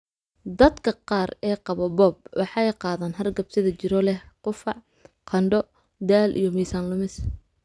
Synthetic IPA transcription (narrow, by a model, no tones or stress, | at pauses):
d̪ɐd̪kʰɐqɑːrɛːqɑβɔbɔːb̚wɑħɑɛjqɑːðaːnɦɐrɡɐbt̪ʰɪðɐt͡ʃɪɾɔlɛhqʊfɑʕ | qʰɐɳɖɔ | d̪aːlʔḭjɞmiːsaːnlʊmɪs